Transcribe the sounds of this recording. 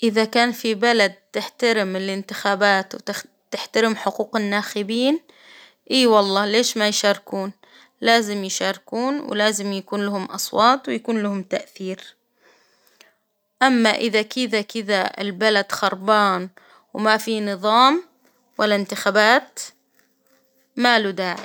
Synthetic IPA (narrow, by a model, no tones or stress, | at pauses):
ʔɪðakaːnfibalad̪̚t̪ɪħt̪aɾɪmɪlɪnt̪ɪxaːbaːt̪w | t̪ɪħt̪aɾɪmħʊquːqɪnːaːxɪbiːn | ʔiːwɑlˤːɑːleːʃmajʃɑːɾkuːn | laːzɪmjʃaːɾkuːnwɪ̰laːzɪmjakuːnlahʊmʔɑ̰sˤwɑːt̪ˤwɪjakuːnlahʊmt̪aʔθiːɾ | ʔamːaʔɪðakɪðakɪðaɪ̰lbalad̪xɑɾˤbaːn | wmafinɨðˤɑːm | walːaɪnt̪ɪxaːbaːt̪ | maːlud̪aːʕɪ